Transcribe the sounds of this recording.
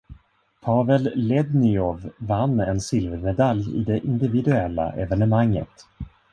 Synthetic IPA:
pʰɑːvɛlːɛd̪nɪɔvːanːɛnsɪlvɛɾmɛd̪aljɪ̰d̪ɛʔɪnd̪ɪvɪd̪ɵɛlːa̰ʔɛvɛnəmaŋːə̰t̪

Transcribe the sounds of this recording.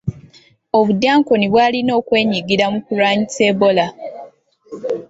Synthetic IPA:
oβudːaːŋkoniβwaːlino̞ːkwe̞ːɲiɡiɾamukuɾaːɲisebo̞la

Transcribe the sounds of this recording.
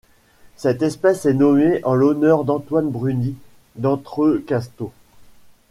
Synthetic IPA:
sɛt̪ɛspɛsɛnɔmeʔɑ̃lɔnœʁd̪ɑ̃t̪wanbʁyni | d̪ɑ̃t̪χøkast̪o

